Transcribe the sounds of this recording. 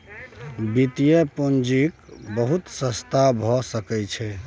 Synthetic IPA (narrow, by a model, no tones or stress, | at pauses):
bit̪ijepond͡ʒikbəɦut̪sə̃st̪abʱɔsəkɛt͡ʃʰɛ